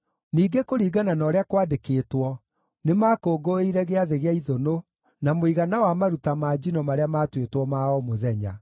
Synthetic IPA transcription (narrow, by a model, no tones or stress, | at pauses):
niːɡekoɾiːɡananɔɾeakwaːdekeːtwɔ | nemakoːɡoiɾɛɣeaðeɣeaiðono | namoiɣanawamaɾutamaːd͡ʑinɔmaɾeamaːtwetwɔmaɔmoðɛɲa̰